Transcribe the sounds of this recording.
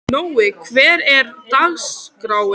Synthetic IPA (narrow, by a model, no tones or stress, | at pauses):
noːwɪkʰvɛːɾɛɾt̪aɣskɾaːwɪ